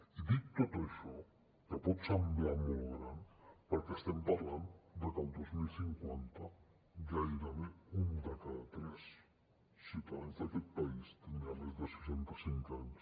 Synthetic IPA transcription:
iðit̪ːot̪eʃo | kaposambeamoloɾanpoɾkest̪empaɾland̪ekand̪ozmilsiŋkwent̪a | ɡaiɾameund̪ekaðat̪ɾes | sit̪aðenzðeket̪paist̪enalezd̪eseʃent̪asiŋkaɲos

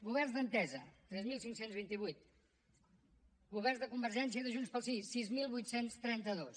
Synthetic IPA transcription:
ɡuβɛrnzd̪ənt̪ɛzət̪ɾɛzmilˠsiŋksenzβ̞int̪iβujt̪̚ | ɡuβɛrnzðəkumbəɾʒɛnsiəðəʒunspəlˠsisizmilˠβujt̪senst̪ɾɛnt̪əðos

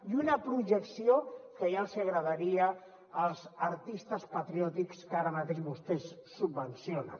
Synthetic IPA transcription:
iunapɾuʒəksiokəjalˠziaɣɾəðaɾiəː | lˠzəɾt̪ist̪əspat̪ɾiɔt̪ikskaɾəmat̪eʒβust̪esːubːənsjona̰

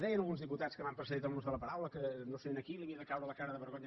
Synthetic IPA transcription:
ðɛjənəlˠɣunzðiput̪askəmampɾəsəðit̪əlˠmonzðəlˠəpəɾawləkənoseenəkilˠimiðəkawɾələkaɾəðəβəɾɣoɲə

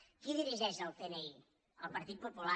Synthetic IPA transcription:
kiðiɾiʒɛʃəlˠpenei | əlˠpəɾt̪it̪̚pupula

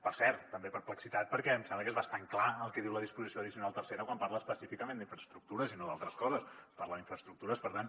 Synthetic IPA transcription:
pəɾsɛɾt̪ːəmbepəɾpləksit̪at̪̚pəɾkɛmsɛmləkezβəst̪aŋklaəlˠkɛðiwləðispuzisjoəðisiunalˠt̪ərseɾəkwampaɾləspəsifikəmend̪iɱfɾəst̪ɾuk̚t̪uɾəzinoðalˠt̪ɾəskɔzəsspaɾləðiɱfɾəst̪ɾuk̚t̪uɾəspəɾt̪an

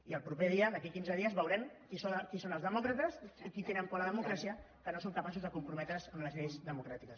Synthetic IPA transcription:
iəlˠpɾupeðiəðəkikinzəðiəzβəwɾɛmkisokisonəlˠzðəmɔkɾət̪əzikit̪enəmpɔləðəmukɾasiə | kənosoŋkəpasuzðəkumpɾumɛt̪ɾəzəmləzʎejzðəmukɾat̪ikəs

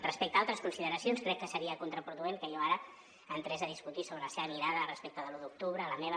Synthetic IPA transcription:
rəspɛk̚t̪əalˠt̪ɾəskunsiðəɾəsionskɾɛkːəsəɾiəkunt̪ɾəpɾuðueŋkəjoaɾə | ənt̪ɾɛzəðiskut̪isoβɾələseβəmiɾaðərəspek̚t̪əðəluðuk̚t̪uβɾələmeβə

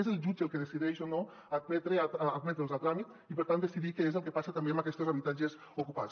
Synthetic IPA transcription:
ezəlˠʒud͡ʒelˠkeð̞esiðɛʃono | ad̪̚mɛt̪ɾeaːd̪̚mɛt̪ɾelˠzalˠt̪ɾamit̪ | ipəɾt̪and̪esiðikəezəlˠkepasat̪ambeambakɛst̪ozaβit̪ad͡ʒez | ukupa

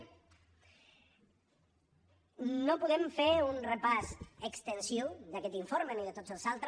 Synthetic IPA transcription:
nopuðɛmfeɾunrəpasəkst̪ənsod̪akɛt̪iɱfoɾməniðət̪od͡zəlˠzalˠt̪ɾ

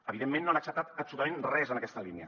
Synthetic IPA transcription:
əβiðemːẽnːoanəksəp̚t̪at̪əpsulut̪əmenrɛzənəkɛst̪əliniə̰

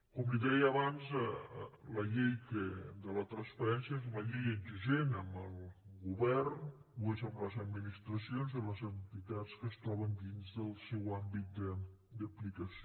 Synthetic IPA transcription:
kɔmliðɛjːβanz | ləʎejkəd̪ələt̪ɾənsfəɾɛnsjəezuləʎejəʒuʒenəmbəlˠɣuβɛrn | ezəmləzəd̪minist̪ɾəsionzələzənt̪it̪at͡skəst̪ɾɔβənd̪inzðəlˠsɛwambit̪̚d̪ə | d̪əplikəs

